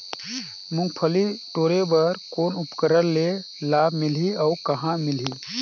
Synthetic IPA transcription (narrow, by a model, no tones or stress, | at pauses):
mũŋɡ̚pʰəliʈoːɾebəɾkoːnupkəɾəɾːe | labʱmilɦiaʊkəɦãmilɦi